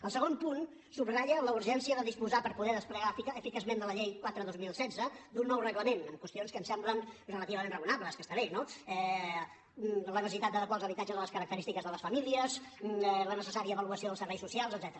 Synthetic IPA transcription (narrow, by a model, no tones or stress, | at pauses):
əlˠsəɣompun | subraʎələuɾʒɛnsiəðəðispuzapəɾpuðɛðəspləɣafikəfikazmend̪ələʎejkwat̪ɾəðozmilˠsɛdd͡zəd̪unːɔwrəɣləmenəmkwəst̪ionskəmsɛmblənrələt̪iβəmẽnrəunaβləskəst̪əɾɛʃnoɛ | lənəsəsit̪at̪əðəkwalˠzəβit̪ad͡ʒəzðələskəɾək̚t̪əɾist̪ikəzðələsfəmiliəzlənəsəsaɾiəːβəluəsioðəlˠsəɾβɛjsusialˠzəd̪zɛt̪əɾə